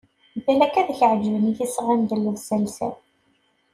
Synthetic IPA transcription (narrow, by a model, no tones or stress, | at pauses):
θælækæðçəʕd͡ʒəvəniθisʁænd̪əlːəvsælsæ̰